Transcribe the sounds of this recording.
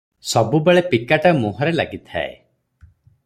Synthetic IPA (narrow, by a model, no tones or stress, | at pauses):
sɔbubeɭepikaʈamuɦɔɾela̰ɡit̪ʰa̰ḛ